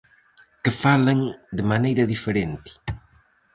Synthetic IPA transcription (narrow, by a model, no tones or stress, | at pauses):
kɪfalɐŋd̪ɪmanejɾɐðifeɾent̪ɪ̥